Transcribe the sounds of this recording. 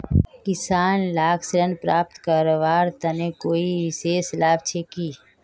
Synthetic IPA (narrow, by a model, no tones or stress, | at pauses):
kɪsaːnlaːkslənpɾaːp̚t̪kəɾoʋaːɾt̪ɐnekoːiʋɪseːslaːbt͡ʃʰeːkiː